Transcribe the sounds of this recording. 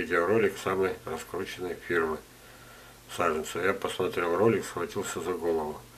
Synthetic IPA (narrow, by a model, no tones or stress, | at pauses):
idʲɪɾolʲɪksaməjrɐskɾut͡ɕɪnəjfʲirmɨ | saʐɨnt̪səjapəsmɐt̪ɾʲelˠro̞lʲɪksxvɐtʲilˠsʲəzɐɡo̞lˠəvʊ